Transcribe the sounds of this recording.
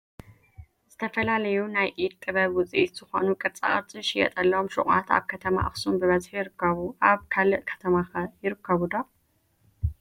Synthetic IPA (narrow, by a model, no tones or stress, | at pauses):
z̥ɨt̪ʰɐfɐlalɐjunajʔid̪t̪ʼɨβɐβwʊt͡sʼiʔit̪z̥ɨxo̞̰nukʼɨɾt͡sʼa̰χʼɐɾt͡sʼɨʃɪjɛ̰t̪ʼɐlːɐomʃṵχʼa̰t̪a̰βkʰɐt̪ʰɐma̰ʔɨxsumbɨβɐzħjɪɾɨkʰːɐβuʔaβkʰalɨʔkʰɐ̥t̪ʰɐmaxɐjɪɾɨkʰːɐβud̪o